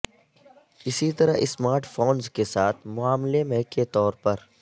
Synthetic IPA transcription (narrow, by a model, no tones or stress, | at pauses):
ɪsit̪ɐɾaɪsmaːɾʈfʰoːnzkesaːt̪ʰmʊaːmlemɛɦket̪ɔːɾpɐɾ